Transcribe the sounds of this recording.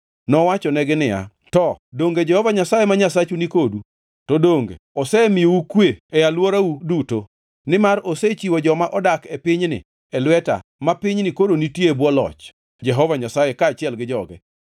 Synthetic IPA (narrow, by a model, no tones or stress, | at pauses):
nɔwat͡ʃɔnɛɡɪnɪja̰ | tɔdoŋɡed͡ʒɛhɔvaɲasajemaɲasat͡ʃunikodu | tɔdoŋɡḛɔsɛmɪjoukweɛjalwoɾauduto | nɪmaɾoset͡ʃiwod͡ʒɔmaʔɔdakepɪɲnɪ̰ | ɛlwɛta̰mapɪɲnikodonitjeebwɔlɔ̰t͡ʃ | d͡ʒɛɦɔvaɲasajekaːt͡ʃɪɛlɡɪd͡ʒɔɡɛ̰